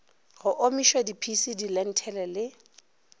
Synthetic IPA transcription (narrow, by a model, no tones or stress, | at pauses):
ɣʊʔomiʃwɛdipʰisidilɛn̩tʰɛlɛlɪ